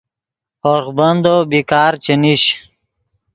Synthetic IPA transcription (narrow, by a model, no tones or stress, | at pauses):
oɾxbənd̪obikaːɾt͡ɕeniɕ